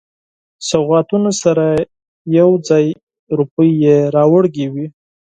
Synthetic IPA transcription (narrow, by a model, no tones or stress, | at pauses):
saɣɑt̪unosaɾa | jawd͡zɑj | ɾupəjːeɾɑwaɽɡewi